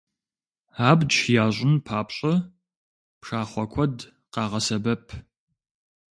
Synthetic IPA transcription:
aːbdʃjaːɕʷʼɪnpʰaːpɕʼɐ | pʂaːχʷɔkʷʰɔd | qɑːʁɐsɐbɐpʰ

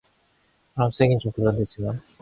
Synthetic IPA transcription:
ams͈eŋint͡ɕomkɯɭːʌndwed͡ʑiman

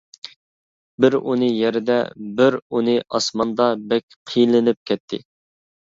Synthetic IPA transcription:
bɪɾunɨjɛɾɪd̪ɛ̰bɪɾunɨʔɑsmɑnd̪ɑbɛkʲqʰijlɪnɪp̚kʲʰɛt̪ʰːɪ̰

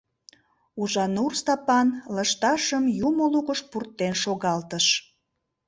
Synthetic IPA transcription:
uʒɑnurst̪ɑpɑnləʃt̪ɑʃəmjumoluɣəʃpurt̪ːenʃoɣɑlt̪əʃ

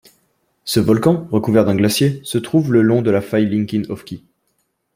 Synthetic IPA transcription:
səvɔlkɑ̃ʁəkuvɛʁd̪ɛ̃ɡlasjesət̪χuvləlɔ̃d̪əlafajlĩŋkʲinɔfkʲi

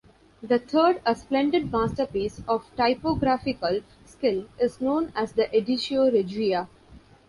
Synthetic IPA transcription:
d̪ət̪ʰəːɾɖəsplɛ̃ɳɖɪɖ̚maːsʈəɾpiːsɔʋʈaɪpoɡɾæfɪkəl | skɪlɪznõːnæzd̪əʔeɖɪʃioɾed͡ʒʋia

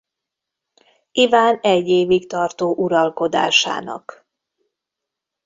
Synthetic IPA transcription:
ivaːnɛɟːeːvikt̪ɒrt̪oːʔuɾɒlko̞d̪a̰ːʃa̰ːnɒ̰k

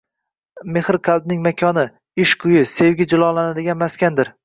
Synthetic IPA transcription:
me̞hɾqʰald̪̚nɪŋmakʲʰɒnɪ | ɪʃqʰʊjɪse̞vɡʲɪd͡ʒɪlˠɒlanad̪ɪɡʲanmaskʲand̪ɪɾ

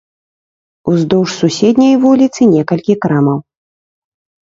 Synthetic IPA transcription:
uzd̪ɔwʂsusʲɛd̪ʲnʲɐjvulʲit̪sɨnʲɛkɐlʲkʲikɾamɐw

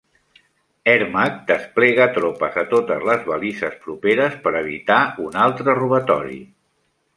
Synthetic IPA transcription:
ɛɾmak̚d̪əsplɛɣ̞ət̪ɾopəzət̪ot̪əzləzβəlisəspɾupeɾəspəɾəβ̞ḭt̪aunalˠt̪ɾəruβət̪ɔ̰ɾḭ

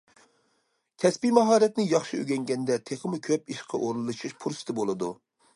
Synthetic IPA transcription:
kʲʰɛspimɑɦɑːɾɛt̪nɪjɑχʃiø̰ɡʲɛŋɡʲɛnd̪ɛt̪ʰeχəmukʲʰøpiʃqʰɑʔoɾulˠːɨʃiʃpʰuɾsɨ̥t̪ʰɨbolˠɨd̪u

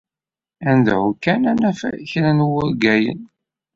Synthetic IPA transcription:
ænd̪ʕukːænænæfçɾænwʊɾɡæjə̰n

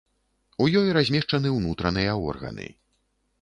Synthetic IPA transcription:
ujɔjɾazʲmʲɛʂt͡ʂɐnɨwnut̪ɾɐnɨjɐɔ̰rɣɐ̰nɨ̰

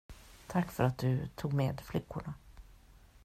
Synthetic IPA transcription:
t̪ʰakːfœɾat̪̚d̪ɵt̪ʰuːɡmeːd̪flʏkːʊɳa

